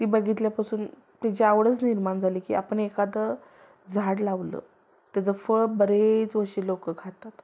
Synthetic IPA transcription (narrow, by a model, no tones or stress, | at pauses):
t̪iːbəɡʱit̪ljapasuːn | t̪at͡ɕeaʋɽət͡sniɾmand͡zʱaliːkḭːapəɳekad̪ə | d͡zʱaɽlaʋlə̰ː | t̪jat͡səfəɭbəɾet͡sʋəɾʂiːlokəɡʱat̪ːat̪